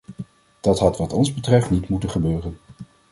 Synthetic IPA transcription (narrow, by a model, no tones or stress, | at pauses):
d̥ɑtɦɑtʋɑtɔnzbətrɛftnitmutəχəbøːrən